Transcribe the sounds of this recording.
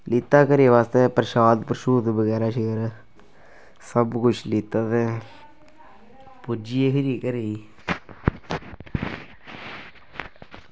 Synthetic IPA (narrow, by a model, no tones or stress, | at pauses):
lit̪ːaːkəɾeːʋaːst̪epɾəʃaːd̪pɾəʃuːd̪bəɣɛːɾaːʃikəɾ | səbkʊt͡ʃʰlit̪ːaːt̪e | pʊd͡ʒijekɪɾiːkəɾeːi